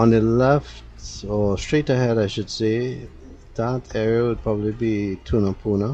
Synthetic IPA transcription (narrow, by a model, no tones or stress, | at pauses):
ɔ̃nəlɛftɔstɹ̥itəhɛɾaɪʃʊdse | ðatɛɹiəwəd̚pʰɹ̥ɔbəblibitʰunəpʰunə